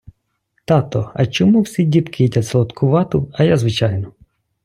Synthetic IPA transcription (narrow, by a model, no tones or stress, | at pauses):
t̪ɑt̪ɔɐ̰t͡ʃɔmuwsʲidʲipkɪjitʲɐslˠɔt̪kʰʊʋɑt̪ʊɐjazʋɪt͡ʃɑjnɔ